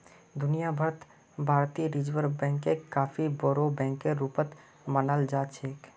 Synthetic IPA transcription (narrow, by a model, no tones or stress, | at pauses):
d̪ʊnijabʱəɾət̪ | bʱaːɾt̪iɾid͡ʒwəɾbɛ̃ːŋkekaːpʰiboɾobɛ̃ːŋkːeɾuːpət̪ | mənəld͡ʒaːt͡ʃʰeːk